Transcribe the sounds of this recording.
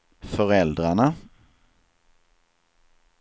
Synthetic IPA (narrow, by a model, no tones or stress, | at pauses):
fœʁɛld̪ʁaɳə